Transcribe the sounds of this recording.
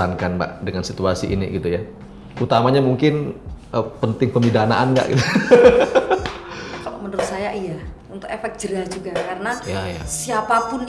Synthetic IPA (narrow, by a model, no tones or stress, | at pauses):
ankanba̰ʔdəŋansit̪uasiʔinḭɡit̪uja | ʔut̪amaɲamuŋkɪnəpənt̪ɪŋpəmidana̰ʔanŋɡa̰ʔɡḭt̪u | kalo̰ʔmənəɾʊt̪̚sajaʔijaunt̪ʊkefɛk̪̚d͡ʒ̥əɾad͡ʒuɡakarənajaja̰siapapʊn